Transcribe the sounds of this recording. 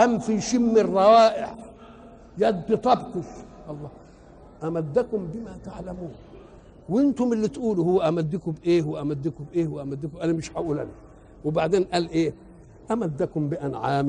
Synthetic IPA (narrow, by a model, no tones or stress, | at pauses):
ʔamfiʃimːirˤːɑwaːʔɪħ | jad̪ːɪt̪ˤɑbkʊʃ | ʔɑlˤːɑː | ʔamad̪ːakʊmbɪmat̪aʕlamuːn | wɪnt̪ʊmɪlːit̪ʔuːluhuwːaʔamad̪ːikʊbʔeːhwʔamad̪ːikʊbʔeːhwʔamad̪ːikumʔalimɪʃħaʔuːla̰ni | wɪbaʕd̪eːnʔalʔeː | ʔamad̪ːakʊmbɪʔanʕaːm